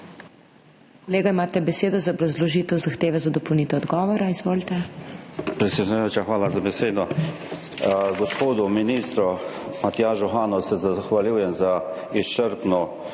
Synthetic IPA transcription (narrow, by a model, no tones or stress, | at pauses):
kɔleːɡaimaːt̪ɛbɛseːd̪ɔzaɔbɾazlɔʒiːt̪ɛwzaxt̪eːʋɛzad̪ɔpɔwniːt̪ɛɔd̪ɡɔːʋɔɾaizʋoːlt̪ɛ | pɾɛsʲɛd̪nujoːt͡ʃaxʋaːlazabɛseːd̪ɔ | ɡɔspoːd̪uminist̪ɾɔmat̪jaːʒɔxaːnɔsɛzaxʋaliwjɛmza | ist͡ʃəɾp̪nɔ